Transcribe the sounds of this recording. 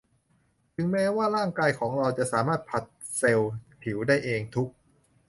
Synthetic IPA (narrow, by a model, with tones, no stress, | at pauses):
t͡ɕʰɯ˩˦ŋmɛː˦˥waː˥˩ɾaː˥˩ŋkaː˧jkʰɔː˩˦ŋɾa˧wt͡ɕa˨˩ʔsaː˩˦maː˥˩t̪̚pʰa˨˩t̪̚ | se˧wpʰi˩˦wdaː˥˩jʔeː˧ŋt̪ʰu˦˥k̚